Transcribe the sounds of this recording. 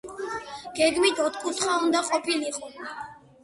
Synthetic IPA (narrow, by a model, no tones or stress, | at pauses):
ɡ̥ɛɡmit̪ʰɔt̪ʰkʼut̪ʰχaund̪aqʼɔpʰiliqʼɔ